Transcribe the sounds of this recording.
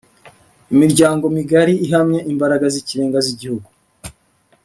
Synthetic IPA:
imiɾɟaːŋɡo̞miɡaɾiiɦamɲeʔimbaɾaɡaziciɾe̞ːŋɡaziɟihuɡu

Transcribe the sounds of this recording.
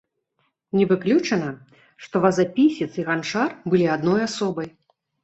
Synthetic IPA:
nʲɛvɨklʲut͡ʂɐnɐ | ʂt̪ɔvɐzapʲisʲit̪siɣant͡ʂarbɨlʲiad̪nɔjasɔbɐj

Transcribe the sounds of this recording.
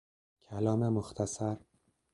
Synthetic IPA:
kʲʰalɒmamʊχt̪ʰasaɾ

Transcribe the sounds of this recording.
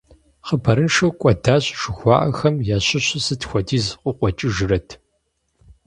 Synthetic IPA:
χəbʰɐɾɨnʂɐwkʷʼɔdaːɕʼʃɨxʷɑːʔɐxɐmjaːɕɪɕɪsɨtxʷɔdiːzqʷʼʊqʷɔt͡ʃʼɪʒɨɾɐtʰ

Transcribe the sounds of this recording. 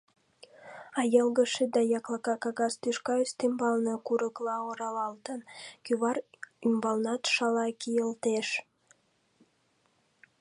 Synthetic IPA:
ɑjəlɣəʃed̪ɑjɑklɑkɑkɑɣɑst̪yʃkɑyst̪embɑlnəkuɾəklɑoɾɑlɑlt̪ənkyβɑɾymbɑlnɑt̪ʃɑlɑkijəlt̪eʃ

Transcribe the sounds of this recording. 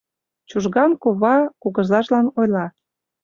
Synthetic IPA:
t͡ɕuʒɣɑmkoβɑkuɣə̆zɑʃlɑnojlɑ

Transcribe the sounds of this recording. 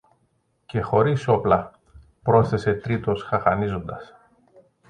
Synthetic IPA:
ce̞xo̞ɾiso̞plɐ | pɾo̞θe̞se̞t̪ɾit̪osxɐxɐnizo̞nd̪ɐs

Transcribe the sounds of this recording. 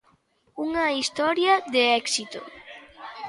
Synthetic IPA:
uŋɐist̪ɔɾjɐðeɛksit̪o̰

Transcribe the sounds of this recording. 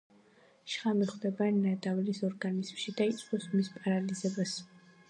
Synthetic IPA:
ʃχamiχwd̪ɛbanad̪avlisɔɾɡanizmʃid̪ait̪sʼqʼɔsmispʼaɾalizɛbas

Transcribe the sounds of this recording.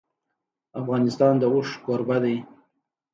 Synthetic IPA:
afɣɑnɪst̪ɑnd̪əʊʂkoɾbad̪aj

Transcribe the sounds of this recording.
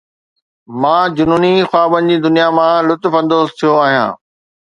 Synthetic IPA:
mãːd͡ʑʊnuːnixwaːbənɪ̆d͡ʑiːd̪ʊnijamãlʊt̪fə̃nd̪oːst̪ʰijoaːɦijã̰ː

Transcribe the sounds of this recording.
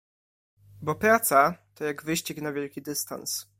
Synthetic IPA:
bɔpɾat̪sat̪ɔjaɡvɘɕt͡ɕiknavʲjɛlkʲid̪ɘst̪a̰ns

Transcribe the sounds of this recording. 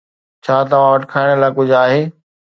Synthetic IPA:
t͡ɕʰaːt̪ɐʋ̤ãʋɐʈkʰaːɪɽ̃laːɪkʊd͡ʑʱaːɦeː

